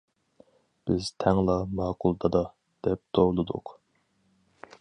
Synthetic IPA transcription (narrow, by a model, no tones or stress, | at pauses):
b̥ɪz̥t̪ʰɛŋlˠɑmɑːqʰʊlˠd̪ɑd̪ɑ | d̪̥ɛp̚t̪ʰoːlˠɨd̪ʊ̰q